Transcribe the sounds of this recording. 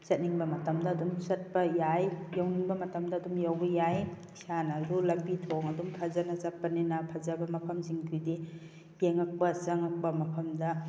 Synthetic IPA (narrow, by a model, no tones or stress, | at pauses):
sɐt̚niŋbɐmɐtɐmdɐːdumsɐt̚pɐjajjawniŋbɐmɐtɐmdɐːdumjawbɐjaj | sanɐɾulɐmbitʰoŋɐdumpʰazanɐt͡ʃap̚ːɐninɐpʰɐzɐbɐmɐpʰɐmziŋtʰujdi | jeŋɐk̚pɐsɐŋɐk̚pɐmɐpʰɐmdɐ